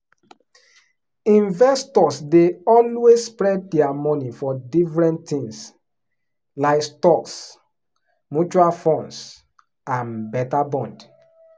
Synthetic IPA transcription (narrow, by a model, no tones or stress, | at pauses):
ĩnvɛstɔsdeɔlwesːpɹɛd̚dɛamɔnifɔdifɹɛ̃nttĩŋs | laɪkstɔks | mut͡ʃualfɔ̃ns | ãnbɛtabɔ̃nd